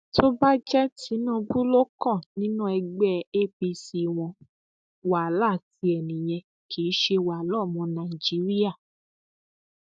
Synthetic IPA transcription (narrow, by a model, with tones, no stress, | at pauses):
to˦ba˦d͡ʒɛ˦ti˨˦nũ˦˧bu˦lo˦kɔ̃˦˨nĩ˦nũ˦ɛ˧ɡ͡bɛ˦˨e˦pi˧si˧w̃ɔ̃˧ | wa˨˦la˦˨ti˧˦ɛ˨nĩ˨j̃ɛ̃˧ | kʰi˨˦ʃe˧wa˨˦lɔ˦˨mɔ̃˨˧nã˨i˨d͡ʒi˨˦ɾi˦a˦˨